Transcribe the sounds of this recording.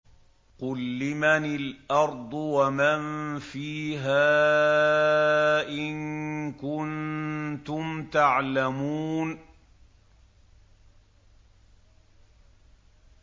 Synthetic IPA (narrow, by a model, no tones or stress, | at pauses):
qʊlːɪmanɪlʔɑɾˤd̪ˤʊwamanfiːɦaː | ʔɪnkʊnt̪ʊmt̪aʕlamuːn